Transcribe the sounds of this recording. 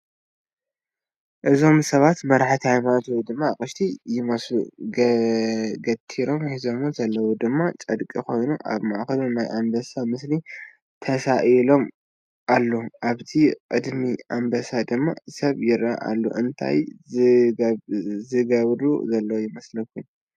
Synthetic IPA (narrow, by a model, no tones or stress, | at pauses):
ʔɨzo̞msɐβat̪mɐɾħt̪ʰihajmat̪ʰwd̪ɨmːakʼɨʃt̪ʰijɪmɐslu | ɡɐt̪ʰiɾo̞mhizo̞muzɐlːɐwud̪ɨmːat͡ʃʼɐd̪kʼiko̞jnuʔa̰βmaʔkɐlunajʔambɐsamɨsli | t̪ʰɐsaʔilo̞m | ʔalːoʔaβt̪ʰikʼɨd̪miambɐsad̪ɨmːa̰sɐβjɪɾa̰ʔa̰lːṵʔɨnt̪ʰa̰j | zɨɡɐβɾṵzɐlːɐwujɪmɐslɐkʰːun